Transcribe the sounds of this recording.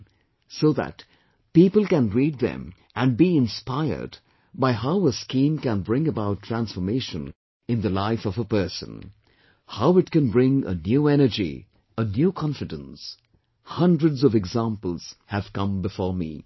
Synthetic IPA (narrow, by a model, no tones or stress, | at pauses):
soʊðæ̰t | pipəl̩ˠkɨ̃nɹid̪̚ðɛ̰̃m | ʔɨ̃nbiɪ̃nspaɪə̰˞d | baɪɦaʊəskĩmkæ̃nbɹɪ̃ŋəbaʊtʰɹ̥æ̃nsfə˞meɪʃə̃n | ɨ̃nðəlaɪfʌvəpɜ˞sə̰̃n | haʊɨtknbɹɪ̃ŋə̰njuɛnə˞d͡ʒḭ | ənjukʰɑ̃ɱfɨdə̃ns | hʌ̃ndɹədzʌvɨɡzæ̃mpəl̩ˠz̥hɨv̥kʌ̃mbɨfɔɹmḭ